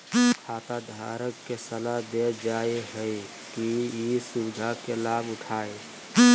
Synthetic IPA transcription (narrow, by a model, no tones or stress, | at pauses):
kʰaːt̪ad̪ʱa̰ːɾəkːesəlad̪ed͡ʒaːeɦɛi | kiisud͡ʒʱakelaːbʊʈʰaːe